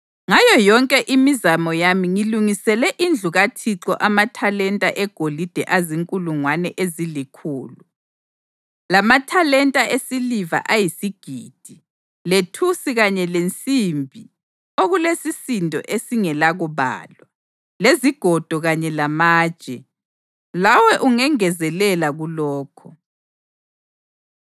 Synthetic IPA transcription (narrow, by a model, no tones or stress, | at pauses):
ŋajɔjɔŋkʼɛʔimizamɔjamiŋiluŋisɛlɛʔind͡ɮʱuɣatʰiǁɔ̰ʔamatʰalɛntʼa̰ʔɛɡ̥ʱolid̥ʱɛʔaziŋkʼuluŋwanɛʔezilikʰuːlu | lamatʰalɛntʼaesiliva̰ʔajisiɡ̥ʱiːd̥ʱi | letʰusiɣaɲɛlent͡sʼimbʱi | oɣulesisintʼɔ̰ʔesiŋɛlaɣuβa̰ːlwa | leziɡ̥ʱɔd̥ʱɔɣaɲɛlamaːd̥ʒ̥ʱɛ | lawɛʔuŋɛŋɛzɛlɛlaɣulɔːkʰɔ